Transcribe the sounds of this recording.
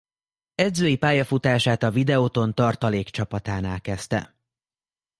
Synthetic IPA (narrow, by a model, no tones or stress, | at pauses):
ɛd̪zøːjipaːjɒfut̪aːʃaːt̪ɒvid̪ɛot̪o̞nt̪ɒrt̪ɒleːkt͡ʃɒpɒt̪aːnaːlkɛst̪ɛ̰